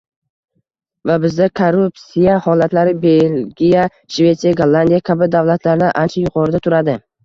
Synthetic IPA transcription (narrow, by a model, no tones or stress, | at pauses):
vabɪzd̪akʰoɾupsijahɒlat̪laɾɪbe̞lɡʲija | ʃve̞t̪sijaɡolˠːand̪ijakʲʰabɪd̪avlat̪ʰlaɾd̪aʔant͡ʃʰajʊqʰɒɾɪd̪at̪ʰʊɾad̪ɪ